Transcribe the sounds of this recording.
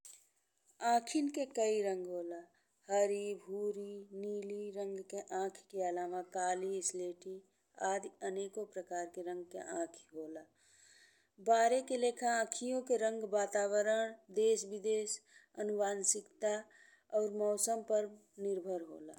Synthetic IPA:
ãːkʰɪnkekəiɾə̃ŋɡɦoːla | həɾibʱuːɾiniːliɾə̃ŋɡkeʔãːkʰkealaːmakaːliɪsleːʈi | aːd̪əneːkõpɾəkaːɾkeɾə̃ŋɡkḛʔãːkʰi̥ɦoːla | baːɾekeleːkʰaãːkʰijõkeɾə̃ŋɡbaːt̪aːbəɾəɳ̃d̪eːsbɪd̪eːsənʊbaːnsɪkt̪a | ɔːɾmɔːsəmpəɾ | nɪɾbʱəɾɦo̰ːla̰

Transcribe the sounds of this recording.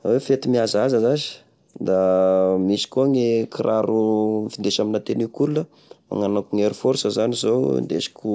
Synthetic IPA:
awefet̪imiazazəzazi̥ | d̪amisi̥kuaŋekʰiɾʔaɾumfid̪eʃaminat̪enikulunə | a̰ŋanakuŋeɾufoɾsəzanizow̰nd̪ḛʃi̥kʲu

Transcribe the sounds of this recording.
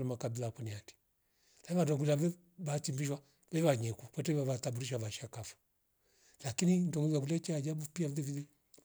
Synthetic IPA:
lamakabilakwɔniati̥ | laβadɔɡulaɛ | βatimbiʃwa | vɛβaɲɛkukwɛtɛβaβatabuɾiʃaβaʃakafu̥ | lakinindɔŋuzwaɡulɛt͡ʃɛad͡ʒabupiaviðɛiðɛ

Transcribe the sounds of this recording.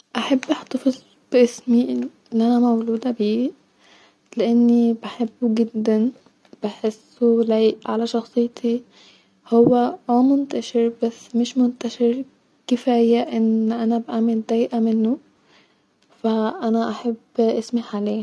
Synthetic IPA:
ʔaħabːʔɪħt̪ɑfɨzˤ | b̥ɪʔɪsmi | ʔanæmawd͡ʒuːd̪abiː | lɪʔanːibaħabːuɡɪd̪ːan | b̥ɪħɪsːulajʔʕalaʃɑxsˤɨjːt̪ʰi | howːæʔumʊnt̪aʃɪɾbasːmɪʃmʊnt̪aʃɪɾ | kɪfaːjaʔɪnʔænæbʔaːmɪld̪æːjʔamɪnːʊ | faʔænæʔaħabːʔɪsmaħʕaleː

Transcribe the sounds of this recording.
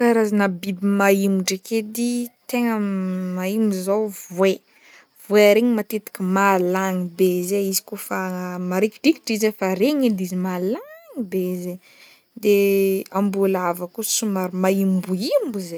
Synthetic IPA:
kaɾazanəbibimaimuʈ͡ʂeked̪it̪eŋəmaimuzawvwe | vweaɾeɲimat̪et̪i̥kimalaŋibezeizi̥kofamaɾikiɖiki̥ʈ͡ʂizefaɾeɲid̪izimalaŋibeze | d̪eambulavakusumaɾimaimbuimbize

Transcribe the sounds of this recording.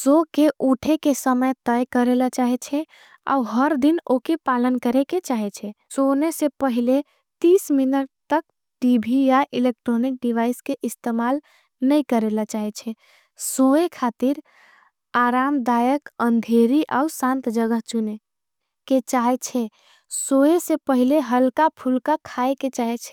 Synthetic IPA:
sokeʔuʈʰekesəməjt̪əjkəɾelat͡ʃaɦɛt͡ʃʰɛ | a̰uɦəɾd̪inokepalənkəɾeket͡ʃaɦɛt͡ʃʰɛsonesepəɦile | t̪isminəʈ̚t̪ək̚ | ʈibʱijaʔilek̚ʈɾonik̚ɖiʋaiskeʔist̪emal | nəjkəɾelat͡ʃaɦɛt͡ʃʰɛ | soekʰat̪iɾ | aɾamd̪ajəkənd̪ʱeɾiʔa̰usãnt̪d͡ʒəɡəɦt͡ʃune | ket͡ʃaɦɛt͡ʃʰɛ | soesepəɦileɦəlkapʰulkakʰaeket͡ʃaɦɛt͡ʃʰɛ̥

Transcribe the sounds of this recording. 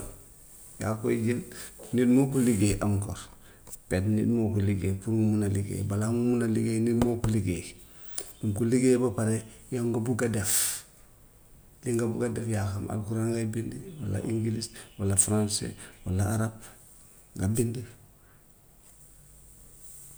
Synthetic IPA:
ja̰kod͡ʒennidmokuliɡeʔaŋko̰ɾ | petnḭdmokuliɡepuɾŋumunaliɡḛbalamumunaliɡenidmokuliɡe | dumkuliɡebapaɾe | jaŋɡabuɡadef | liŋɡabuɡadefjaxamʔa̰kuɾaŋɡabindiwa̰la̰ʔiŋɡiliswalafɾansḛwalaaɾab̚ | ɡabindi

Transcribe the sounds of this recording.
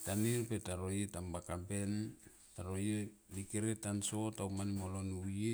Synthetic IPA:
taniɾpetaɾo̞jetambakabe̞n | taɾojenikeɾetanso̞tawmanimolonue

